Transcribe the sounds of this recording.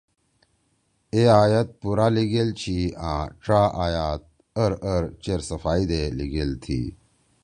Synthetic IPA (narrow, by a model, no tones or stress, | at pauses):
eaːjɐt̪̚puɾaliɡelt͡ɕʰiãːʈ͡ʂɾaːʔaːjaːt̪̚ | əɾəɾt͡ɕeɾsɐfaːid̪eliɡelt̪ʰḭ